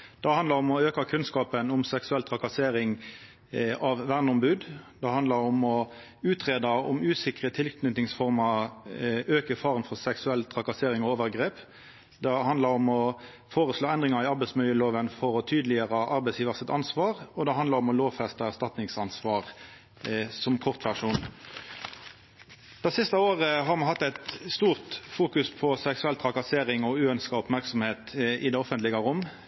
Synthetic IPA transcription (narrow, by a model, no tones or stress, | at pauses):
d̪̥ɛhɑnd̪lɑɾʊmɔøːkɑkʰʉnskɑːpənʊmsɛksʉɛlt̪ʰʁɑkɑseːɾɪŋ | ɑʋʋæʁnɔmbʉːd̪d̪̥ɛhɑnd̪lɑɾʊmɔ | ʉːt̪ʁeːd̪ɑʊ̰mʉːsɪkʁət̪ʰɪlkʰnʏt̪nɪŋsfɔʁmɑ | øːkəfɑːʁənfɔʁsɛksʉɛlːt̪ʰʁɑkɑseːɾɪŋɔoːʋəʁɡʁeːp | d̪ɛhɑnd̪lɑɾɔmɔ | foːʁəsloːɛnd̪ʁɪŋɑɾɪɑɾbɛɪsmʏljəloːʋənfɔɾɔt̪ʰyːd̪lɪəʁəʔɑɾbɛɪsjiːʋəʁsɪt̪ɑnsʋɑːʁɔd̪ɛhɑnd̪lɑʁɔmɔloːʋfɛst̪əæʁst̪ɑt̪nɪŋsɑnsʋɑːʁ | sɔmkʰɔʁt̪ʋæʁʂuːn | d̪̥ɛsɪst̪əoːʁəɦɑɾmɑnhɑt̪ːæɪt̪st̪uːʁt̪fuːkʉspʰɔsɛksʉɛlt̪ʰʁɑkɑseːɾɪŋɔʉːœnskɑʊpmæʁksɔmheːt̪ɪd̪ɛɔfənt̪lɪɡəʁʊmː